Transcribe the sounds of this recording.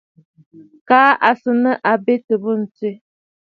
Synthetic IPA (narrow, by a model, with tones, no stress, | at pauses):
kaː˨˦ʔa˨sə˨nə˦ʔa˨be˦tə˨bə˦n̩˨te˦˨